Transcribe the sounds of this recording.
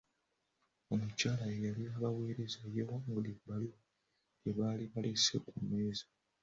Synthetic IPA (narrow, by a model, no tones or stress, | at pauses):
o̞mucaːlaejaliaβaweːɾezajewamulibali | eβaliβalesekumeːzḁ